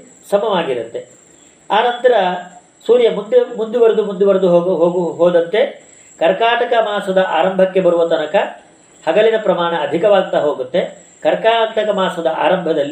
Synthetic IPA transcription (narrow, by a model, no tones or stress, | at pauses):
sɐmɐʋaːɡiɾut̪ːe̞ | aːnɐnt̪ɐɾɐ | suːɾjɐmund̪mund̪uʋɐɾud̪umund̪uʋɐɾud̪uɦɦoːɡuɦoːd̪ɐnt̪ːe̞ | kɐɾkaːʈɐkɐmaːsɐd̪ɐʔaːɾɐmbʱɐkːe̞bɐɾuʋɐt̪ɐnɐkɐ | hɐɡɐlinɐpɾɐmaːɳɐːd̪ʱikɐʋaːɡ̚t̪ɐɦoːɡut̪ːe̞ | kɐɾkaːʈɐkɐmaːsɐd̪ɐʔa̰ːɾɐmbʱɐd̪ɐlːi